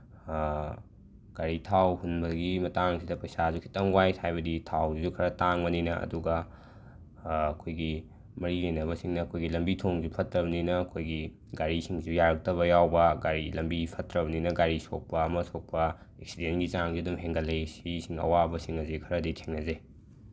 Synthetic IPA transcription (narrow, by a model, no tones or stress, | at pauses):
ɡ̥aɾitʰawhunbɐɡimɐtaŋsidɐpɐjsazukʰi̥tɐŋwajtʰajbɐditʰawzizukʰɐɾɐtaŋbɐninɐʔɐ̰duɡɐ | kʰojɡi | mɐɾilejnɐβɐsiŋnɐːkʰojɡilɐmbitʰoŋzupʰɐtːɾɐbɐninɐːkʰojɡi | ɡaɾisiŋzujaɾɐk̚tɐβɐjawbɐɡaɾilɐmbipʰɐtɾɐbɐninɐɡaɾiso̰k̚pɐɐmɐsok̚pɐ | eksidenɡizaŋzidumɦeŋɡɐlesisiŋɐ̰wabɐsiŋɐzekʰɐɾɐditʰeŋɐze